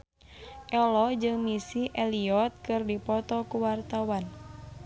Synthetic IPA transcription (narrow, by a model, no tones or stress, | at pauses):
ʔɛlɔd͡ʒɨŋmisiʔɛliɔt̪̚kɨrdipɔt̪ɔkuwart̪awan